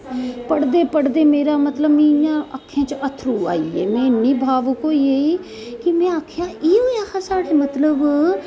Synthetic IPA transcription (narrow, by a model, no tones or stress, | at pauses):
pəɽd̪eːpəɽd̪eːmeːɾaːmət̪ləbmĩjãːəkʰːjãːt͡ʃət̪ʰɾuːa̰ːiːḛːmɛ̃ːnĩːbʱaːʋukoːiːeːiː | kɪmɛ̃ːaːkʰjãːʔiːɦoːjaːkʰaːsaːɽeːmət̪ləb